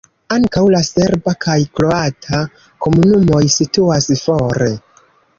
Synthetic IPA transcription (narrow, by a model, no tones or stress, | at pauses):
aŋkawlaseɾbakʰajkɾo̞atʰa | ko̞munumo̞jsituasfoɾe